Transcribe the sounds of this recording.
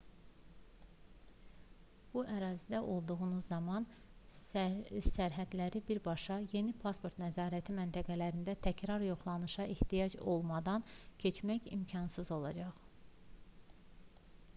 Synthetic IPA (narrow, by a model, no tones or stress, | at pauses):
b̥uʔæɾɑːzid̪æʔo̞lˠd̪uɣunuzːɑmɑn | sæɾɦæd̪læɾibiɾbɑʃɑje̞nipʰɑspʰo̞ɾt̪næzɑːɾæt̪ʰimænt̪ʰæɡælæɾind̪æt̪ʰæcɾɑɾjo̞χlˠɑnɯʃɑeht̪ijɑd͡ʒo̞lˠmɑd̪ɑncʰe̞t͡ʃmæçḭmcʰɑnsɯzo̞lˠɑ̰d͡ʒɑʁ